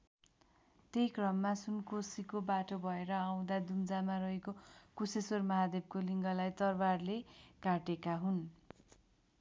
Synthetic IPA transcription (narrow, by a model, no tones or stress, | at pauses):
t̪eɦjkrʌmːasunkosikobaʈobʱʌeɾʌaw̃d̪ad̪umd͡zamaɾʌɦekokusesormʌɦad̪eb̚koliŋɡʌlajt̪ʌrbarlekaʈekaɦun